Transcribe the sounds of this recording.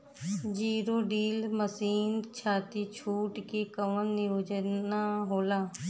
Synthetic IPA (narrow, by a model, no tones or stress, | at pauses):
d͡ʒiːɾoɖiːlməsiːnt͡ʃʰaːt̪it͡ʃʰuːʈkekəʋənːɪjoːd͡ʒənaɦoːlaː